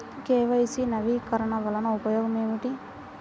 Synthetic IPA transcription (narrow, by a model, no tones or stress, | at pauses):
keːʋɐjsinɐʋikɐɾɐɳɐʋɐlɐnɐupɐjoːɡɐmeːmiʈi